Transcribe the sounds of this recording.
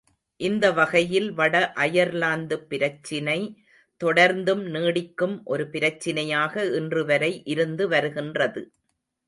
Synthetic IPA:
ʔɪnd̪ɐʋɐɣɐjɪlʋɐɽɐʔɐjɐɾlaːnd̪ɯpːɪɾɐt͡ʃːɪnɐɪ | t̪ɔɽɐɾnd̪ɯmniːɽɪkːɯmʔɔɾɯpɪɾɐt͡ʃːɪnɐjaːɣɐɪndrɯʋɐɾɐɪʔɪɾɯnd̪ɯʋɐɾɯɣɪndrɐðɯ

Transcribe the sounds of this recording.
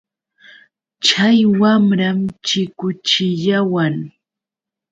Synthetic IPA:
t͡ʃajwamɾamt͡ʃɪkʊt͡ʃɪʎawaŋ

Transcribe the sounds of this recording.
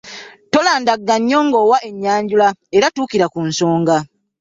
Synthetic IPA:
to̞laːndaɡːaɲːoŋɡowaʔe̞ɲːaːɲɟulae̞ɾatuːkiɾakunso̞ːŋɡa

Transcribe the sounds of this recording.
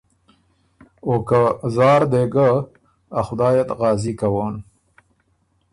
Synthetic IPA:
okazɑːɾd̪eɡa | axʊd̪ɑːjat̪ɣɑːzikawan

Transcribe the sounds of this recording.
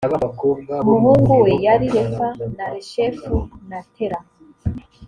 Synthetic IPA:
mumuːŋɡuwejaɾiɾefanaɾeʃefunatʰeɾa

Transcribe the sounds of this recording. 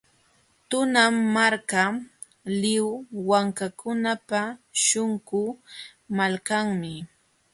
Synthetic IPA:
t̪ʊnamːaɾka | lɪwwaŋkakʊnapaʃoŋkʊmalkaŋmɪ

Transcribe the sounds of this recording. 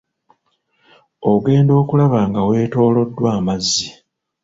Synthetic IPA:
o̞ɡe̞ːndo̞ːkulaβaːŋɡawe̞ːto̞ːlo̞dːwaːmazːi

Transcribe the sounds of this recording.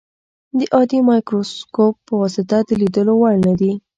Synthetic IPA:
d̪əʔɑd̪imɑjkɾoskop̚ːəwɑsɪt̪ad̪əlid̪əlowaɽnad̪i

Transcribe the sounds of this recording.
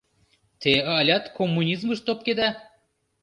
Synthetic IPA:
t̪eɑlʲɑt̪komːunʲizmɤʃt̪op̚ked̪æ

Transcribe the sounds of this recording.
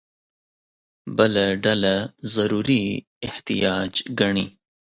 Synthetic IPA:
bɐlaɖɐlazɐɾuːɾi | ɪht̪ijɑːd͡ʒɡɐɳi

